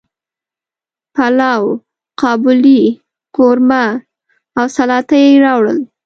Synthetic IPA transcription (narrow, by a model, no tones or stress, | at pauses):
palɑw | qɑbʊli | qoɾma | awsalɑt̪ajeɾɑwɽəl